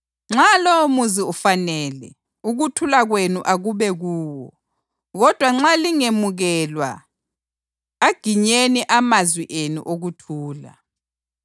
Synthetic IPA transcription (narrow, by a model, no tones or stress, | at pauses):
ŋ͡ǁalowomuziufanɛːlɛ | uɣutʰulaɣwenuʔaɣuβɛɣuːwɔ | ɣɔd̥ʱwaŋ͡ǁaliŋemuɣɛlwa̰ | aɡ̥ʱiɲeniʔamazwiʔenṵʔoɣutʰuːla̰